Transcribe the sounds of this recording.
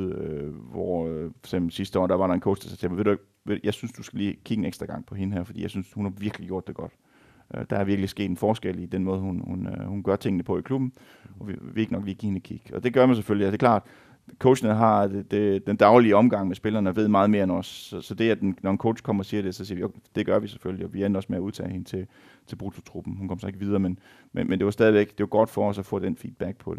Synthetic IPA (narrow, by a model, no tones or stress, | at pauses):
øʋɒ̥semb̥l̩sisd̥əɒ̰ːd̥æʋɑ̈ɾɑ̈enkʰo̰ʊsese̥sʰemɐʋe̝ɾ̥ueɡ̥ | ʋejɑ̈ɪsynsd̥usɡ̥æliːkʰiɡ̥əeneɡ̥d̥ʁɐɡ̥ɑ̈ŋ̰pʰɒ̽he̝nəɦæɐ̰fɒ̽d̥ḭjɑɪsynshunhɑ̈ʋiɐɡ̥liɡ̥jo̝ɐ̰d̥eɡ̥ɒ̽d̥ | ʔød̥ɑ̈æɐʋiɐɡ̥lisɡ̥e̝̰ːd̥enfɒːsɡ̥el̰id̥enmɔ̽ːð̞ˠhunhunhunɡ̥ɶɐt͡sʰe̝ŋ̰ənəpʰɒ̽ikʰlub̥n̩ | ʔɒ̽ʋiʋee̝ɡ̥ənɒ̽ɡ̥liːɡḭːhenkʰiɡ̥ɒ̽d̥e̝ɡ̥ɶɐmænseføljiæd̥e̝kʰlɑ̰̈ːd̥ | kʰoʊɕnɦɑ̈d̥ed̥end̥ɑ̈ʊliəɒ̽mɡ̥ɑ̈ŋ̰mesb̥e̝lɐːnəɒʋe̝ð̞̰ˠmɑ̈ːðˠme̝ːɐenɒsːɒsɒ̽d̥e̝æd̥ennɒenkʰo̰ʊ̥ɕkʰɒ̽m̰ɐɒ̽siːɐɾ̥e̝sɒ̽sḭɐʋiod̥e̝ɡ̥ɶɐʋise̥følliɒ̽ʋienɒ̽smeæuðˠt͡sʰɛ̰ːhe̝nət͡sʰe̝ | t͡sʰe̝b̥ʁut͡sʰo̝t͡sʰʁub̥n̩hunkʰɒ̽mɐsɑ̈e̝ɡ̥ʋið̞ˠɐːmenmenmend̥e̝ʋɑsd̥ɛːð̞ˠiʋeɡ̥d̥e̝ʋɑ̈ɡ̥ɒ̽d̥fɒ̽ɒ̽sæfɔ̰̽ːd̥enfḭːd̥̚b̥æɡ̥̚pʰɒ̽d̥e